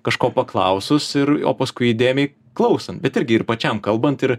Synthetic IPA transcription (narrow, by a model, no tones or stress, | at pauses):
kɐʃkoːpɐklˠɐ̰ʊsʊsɪɾo̰ːpɐskʊɪid̪ʲeːmʲɛɪ | klˠɐʊsɐnt̪̚bʲɛt̪ɪɾʲɡʲɪɪɾpɐt͡ʃʲɛmkɐlˠbɐnt̪ɪɾ